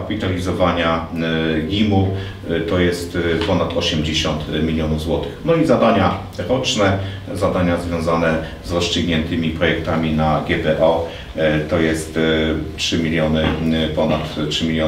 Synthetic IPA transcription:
apʲit̪alʲizɔvaɲa | ɡʲimu | t̪ɔjɛst̪pɔnat̪ʰɔɕɛmd͡ʑeɕɔnt̪mʲilʲjɔnuvzwɔt̪ɘxnɔizad̪aɲa | ɾɔt͡ʂnɛ | zad̪aɲazvʲjɔ̃w̃zanɛ | zɾɔst͡ʂɘɡɲɛnt̪ɘmʲipɾɔjɛk̚t̪amʲinaɡʲɛbɛʔɔ | t̪ɔjɛst̪tʂɘmʲilʲjɔnɘpɔnat̪ʂɘmʲilʲjɔ

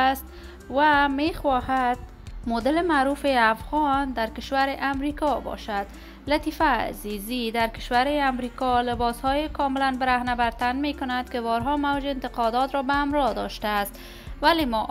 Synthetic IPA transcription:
st̪̚ | wamexwɒhad̪̚ | mod̪ɪlemaɾufeafɣɔnd̪aɾkɪʃwaɾɪʔamɾikɒbɒ̰ʃad̪ | lat̪ifa̰ːzizid̪aɾkɪ̥ʃwaɾeamɾikɔlɪbɒshɔjekʰɒmɪlanbɪɾahnabaɾt̪anmekʊnad̪kɪbɒɾɦɔmawd͡ʒeɪnt̪ɪqɒd̪ɔt̪ɾɔbaamɾɒd̪ɔ̰ʃt̪aːst̪ | walemɔ

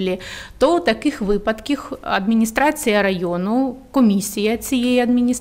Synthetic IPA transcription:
lʲɪt̪ot̪ɐkɨxvɨpɐt̪kʲixɐ̰d̪mʲɪnʲist̪ɾat̪sɨjɐɾajonʊkɔmʲisʲːijɐsʲijejɐd̪mʲɪnʲis

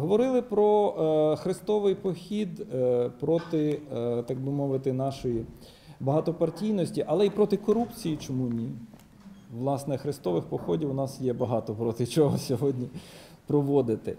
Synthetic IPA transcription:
ɦɔʋɔɾɪlˠɪpɾɔxɾɪst̪ɔʋɪjpɔxʲid̪pɾɔt̪ɪt̪ɑɡ̚bʊmɔʋɪt̪ɪnɑʃɔji | bɐɦɑt̪ɔpɐrtʲijnɔsʲtʲiʔɐlˠɛipɾɔt̪ɪkɔɾupt͡sʲijit͡ʃɔmunʲi | ʋlˠɑsnɛxɾɪst̪ɔʋɪxpɔxɔdʲiwʊnɑsjɛbɐɦɑt̪ɔpɾɔt̪ɪt͡ʃɔɦɔsʲɔɦɔdʲnʲi | pɾɔʋɔd̪ɪt̪ɪ

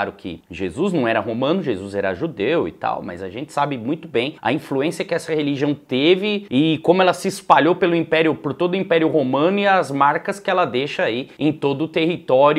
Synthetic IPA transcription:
aɾʊkʰɪ̰ʒezuznɐ̃w̃ɛɾɐɦomɐ̃nʊʒezuzɛɾɐʒud̪ewɪ̰t̪a̰wmɐ̰zɐ̰ʒẽnt͡ʃɪ̥sabɪmũj̃t̪ʊbẽj̃ɐ̰ĩfluẽsiɐkɪɛsɐheliʒiɐ̃w̃t̪evɪːkõmʊɛlɐsɪːspaʎowpelʊĩpɛɾjʊpoɾt̪od̪ʊĩpɛɾjʊɦomɐ̃nʊiɐzmaɾkɐskɪɛlɐd̪eʃɐaiẽj̃t̪od̪ʊt̪ehit̪ɔɾ

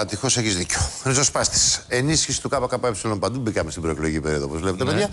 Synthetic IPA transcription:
ɐt̪ixo̞seçizðiceoɾizospɐst̪i̥se̞nisçisi̥t̪ukɐpokɐpuepsilo̞mpɐnd̪ubikɐmest̪ibɾo̞ekloʝicipeɾioðoo̞po̞zvlepet̪epeðʝɐ

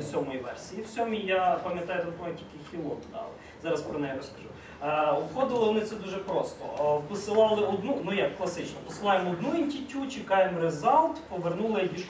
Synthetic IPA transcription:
sʲɔmɔjiʋɛ̰rsʲijiw̥sʲɔmʲijapɐmjɐt̪ɑjɛt̪ɐnpɔmʲɐktʲilʲkɪxʲilˠɔt̪d̪ɑ̰lˠɛ | zɑɾɐspɾɔnɛjɛɾɔskɐʒṵ | ɔpxɔd̪ɪlˠɪʋɔnɪt̪sɛd̪uʒɛpɾɔst̪ɔ̰wpɪsɪlˠɑlˠɪɔd̪nunujakːlˠɐsɪt͡ʃnɔpɔsɪlˠɑjemɔd̪nuinʲtʲitʲut͡ʃɪkɑjemɾezɑlt̪pɔʋernulˠɪbʲi

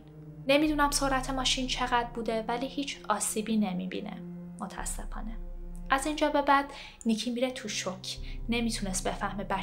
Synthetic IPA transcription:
ne̞mid̪unæmso̞ɾæt̪ʰemɒːʃiːnt͡ʃʰe̞ɣæd̪̚buːd̪e̞væliːhiːt͡ʃʰɒːsiːbiːne̞mḭbḭnḛ | mot̪ʰæ̰sːe̞fɒ̰ːneʔæzind͡ʒɒːbe̞bæd̪̥ | nicʰiːmiːɾet̪ʰuʃocʰne̞mit̪ʰunest̪̚be̞fæhmebæ

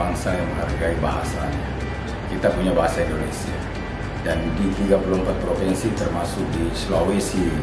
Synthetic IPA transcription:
aŋsajaŋməŋarɡaibaɦasaɲa | kit̪apuɲabaɦasaindonɛsia | dandit̪iɡapulumpat̪̚pɾofɛnsit̪ərmasʊk̚dislowesi

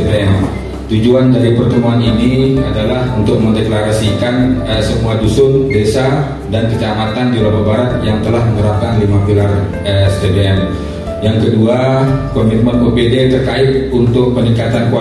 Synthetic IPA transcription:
beɛn | t̪ud͡ʒuandaɾipərt̪əmuaninia̰dalahunt̪ʊk̚məndeklaɾasikanəsəmuadusʊmdesa | dankət͡ʃamat̪andilababaɾat̪̚jaŋt̪əlahməŋəɾap̚kanlimafilar | ɛsdebeɛn | jaŋkəduakɔmit̪̚mənbəbedet̪ərkaɪt̪̚unt̪ʊk̚pəniŋkat̪ankua

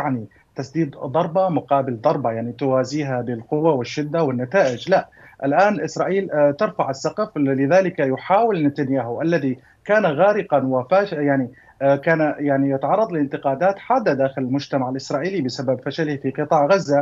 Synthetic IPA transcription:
jaʕni | t̪asd̪iːd̪d̪ˤɑɾˤbɑmʊqɑːbɪld̪ˤɑɾˤbɑjaʕnit̪ʊwaːziːɦabɪlqʊwːawɪʃːɪd̪ːawɪnːat̪aːʔɪd͡ʒlaʔ | ʔɪlʔaːnʔɪsɾˤɑːʔiːlt̪ɪɾfaʕɪsːɑqɑflɪðaːlɪkajʊħaːwɪlnɪt̪anjaːɦhʊʔalːaði | kaːnaɣaːɾɪqanwafaːʃjaʕni | kaːnajaʕnijɪt̪ʕɑrˤːɑd̪ˤlɪnt̪ɪqɑːd̪aːt̪ħaːd̪ːad̪aːxɪlɪlmʊd͡ʒt̪amaʕɪlʔɪsɾˤɑːʔiːlibɪsababfaʃalɪhfiqɨt̪ˤɑːʕɣazːa

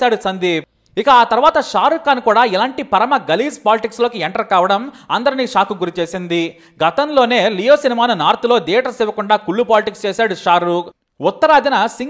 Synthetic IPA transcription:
aːɽusɐnd̪i | ikɐaːt̪ɐɾʋaːt̪ɐʂaːɾukːaːnkuːɽaːilaːɳʈipɐɾɐmɐɡɐliːspaːliʈikslo̞ːkieɳʈɐɾkaːʋɐɽɐmɐnd̪ɐɾiniːʂaːkuɡuɾit͡ʃeːsind̪i | ɡɐt̪ɐmlo̞ːne̞ːlijoːsinimaːnunaːɾt̪ulo̞ːd̪ɛːʈɐsɛʋɐkuɳɖaːkuɭːupaːliʈikst͡ʃeːsaːɽuʂaːɾuk | ut̪ːɐɾaːd̪inɐsiŋ

